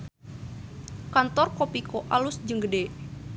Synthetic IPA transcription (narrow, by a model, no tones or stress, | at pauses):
kant̪ɔrkopikoʔalusd͡ʒəŋɡəde